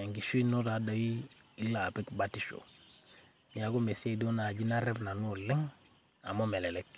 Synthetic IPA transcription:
e˨ŋɡi˨ʃui˦no˦ɾa˨da˨wi˦ | i˦la˨pe˦kbatiʃo̰˨ | ja˨ɡo˦me˨se˦do˦na˨ɟi˦na˦ɾe˦bna˨nu˦˨le˦ŋ | a˨mo˦me˨le˨lek

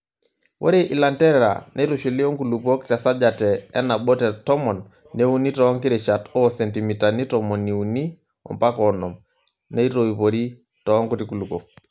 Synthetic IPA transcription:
wʔo̰˦ɾe˨ʔi˨la˨ntɛ˦ɾɛɾa̰˨nʔe˦tu˨ʃi˨li˦ɔ˦ŋku˨lu˨pɔ˦ktɛ˨sa˦d͡ʒatɛː˨˦na˨ɓɔ˦tɛ˨tɔ˦mɔ˨nː | e˦u˦ni˦tɔː˦ŋkɪ˦ɾe˨t͡ʃa˨tɔ˦sɛ˨nti˨mi˨ta˨ni˦tɔmɔ˨ni˨u˨ni˦ | ɔ̰˨mpa˦kɔnɔ˨m | nɛ˦i˦to˨i˨po˨ɾi˦ | tɔː˨˦ŋku˦ti˨ku˨lu˨ko˨

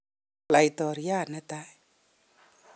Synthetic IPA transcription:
la˨jtɔ˨ɾja˦˨na˦ta˦˨

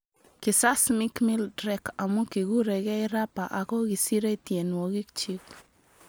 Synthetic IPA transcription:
kɪ˨sa˦smɪ˦kmɪ˦ldɾɛ˦ka˨mo˦ki˨ɡu˦ɾɛ˨ɡɛ˦ɪ˦ɾa˦pa˨ʔa˨kɔ˦ɡi˨si˦ɾe˦tje˨nwo˨ɡi˦kt͡ʃi˦k

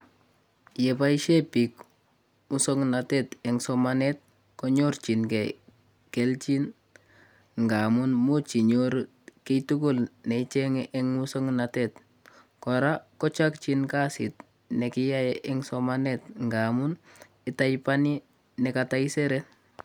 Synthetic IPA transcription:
je˨pa˦i˦ʃe˦pi˨k | mu˦so˦ŋna˨te˦tɛ˨ŋsɔma˦ne˦t̚ | ko˦ɲo˦ɾt͡ʃi˨nke˨ | ke˨lt͡ʃi˦n | ŋɡa˨mu˦nmu˦t͡ʃi˨ɲo˦ɾ | ki˦tu˦ku˦lne˨it͡ʃe˦ŋeʔe˦ŋmu˦so˦ŋna˨te˦t | kɔ˨ɾa˦kɔ˦t͡ʃa˦kt͡ʃinka˦sḭ˨t | ne˨ki˦ja˦jeʔɪ˦ŋsɔ˦mane˦tŋɡa˨mu˦n | i˦ta˦jpa˦ni˦ | nɛ˨ka˨ta˦i˦se˦ɾe˦n

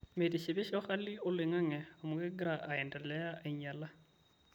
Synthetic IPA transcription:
mediʃɪbɪ˦ʃɪ˦ʊχa˦lɪ˦ʊ˦lɪ˨ŋa˦ŋɛamʊ˨ɡɛ˦ɡɾaʔaɛ˨ndɛ˨lɛ˦a˦ʔɪɲala˦

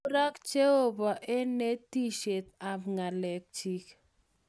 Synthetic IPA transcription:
ɾa˦kt͡ʃe˦o˦˨ba˨ʔe˦ne˦ti˦ʃe˨t̪̚a˨bŋa˨lɛ˨k̚t͡ʃi˦k

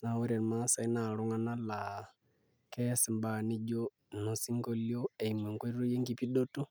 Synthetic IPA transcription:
na˨wo˦ɾe˨nma˦sa˨i˦na˨ɾʊ˦ŋa˦na˦la˨ | kɛ˦sɪ˨mba˨nɪ˦d͡ʒo˦ | no˨si˦ŋɡo˦ljo˦e˨i˨me˨ŋko˦ɾu˦je˦ŋɡi˨˦pi˦do˦tu˦

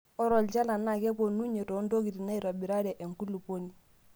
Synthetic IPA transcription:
ɔ˦ɾɔ˨lt͡ʃa˦la˨na˦˨kɛ˦po˨nu˦ɲe˨tɔ˨˦ndo˦ki˨ti˨na˦i˨ɾɔ˨bi˨ɾa˦ɾɛ˨ʔe˨ŋku˦lu˨po˦ni˦

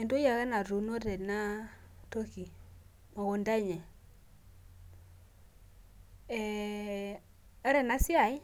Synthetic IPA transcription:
ɛ˨ndo˦ja˨ɣɛ˦na˨ɾu˨no˦tɛ˨na˦ | to˦ki˨ | mɔ˨ɣɔ˨nda˦ɲɛ˨ | ɛ˨ | a˦ɾɛ˨na˦sja˨i˦

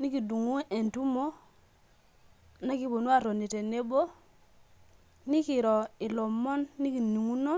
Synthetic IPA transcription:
ni˦ki˨du˨ŋu˦ʔe˨ntu˦mo˦ | na˦ki˦bo˨nu˦a˦˨ɾo˨ni˨te˨ne˦bo˦ | ni˦ki˨ɾo˨i˨lo˨mo˦nːi˦ki˨ni˨ŋu˦no˦

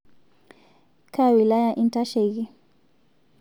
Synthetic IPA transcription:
kʰa˦wila˦jaʔi˨nta˦ʃɛ˨ɣi˦

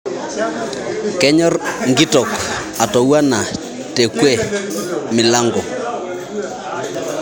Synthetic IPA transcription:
kɛ˦ɲɔ˦rŋɡi˦tɔ˨k | a˨tɔ˨wa˦na˨ | tɛ˨kwɛ˦ | mɪ˨la˦ŋɡɔ˨

